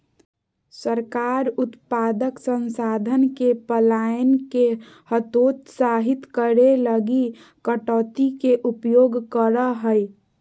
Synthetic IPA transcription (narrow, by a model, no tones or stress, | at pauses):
səɾkaːɾʊt̪paːd̪əksənsaːd̪ʱənkepəlaːjənke | hət̪oːt̪saːɦɪt̪kəɾeləɡi | kəʈɔːt̪ikeʔʊpjoːɡkəɾəɦəj